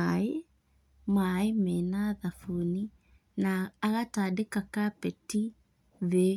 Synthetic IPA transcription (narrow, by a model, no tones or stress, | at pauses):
ae | maemenaðafuni | naːɣataːdekakapɛti | βe